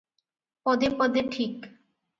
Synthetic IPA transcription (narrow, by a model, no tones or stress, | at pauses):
pɔd̪epɔd̪eʈʰik